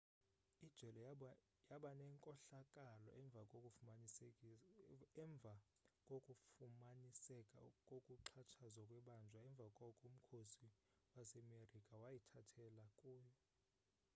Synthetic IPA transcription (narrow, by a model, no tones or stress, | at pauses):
id̥ʒ̥ʱwɛlɔ | jaɓanɛŋkʼɔɬakʼalɔ̰ʔɛɱvʱakʼo | ɛɱb̪vʱakʼokʼufumanisɛkʼa̰kʼokʼuǁʰat͡ʃʰazwakʼwɛɓand͡ʒʱwaɛɱb̪vʱakʼɔkʼum̩kʰosi | wasɛmerikʼawajitʰatʰɛlakʼuːjɔ